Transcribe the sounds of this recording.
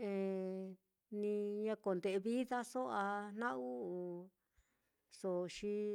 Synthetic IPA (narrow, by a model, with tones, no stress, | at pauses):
ẽ˨˧ | nĩ˧ɲã˧ko˨nd̪e˨˧βi˦ða˦so˦a˧nã˦u˦˧ | so˨˧ʃi˦